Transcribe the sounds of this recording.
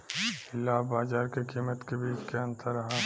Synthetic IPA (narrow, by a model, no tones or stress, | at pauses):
ɪlːaːbaːzaːɾkekiːmət̪kebiːt͡ʃkeɐ̃nt̪əɾɐɦã